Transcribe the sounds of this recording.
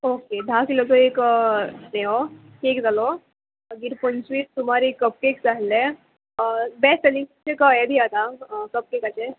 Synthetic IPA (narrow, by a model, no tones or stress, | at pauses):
oked̪ʱakilɔt̪ɔek | neɔ | kekd͡zalɔ | ɡiɾpəɲt͡ɕʋiːst̪um̤aɾikəp̚kekd͡zaɦle | bɛsəlit͡ɕekəebʱiat̪akəp̚kekat͡ɕe